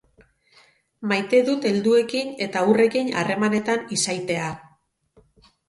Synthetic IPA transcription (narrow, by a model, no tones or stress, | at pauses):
majt̪e̞ðut̪e̞ld̪ue̞kine̞t̪aure̞kina̰re̞mane̞t̪anisajt̪e̞a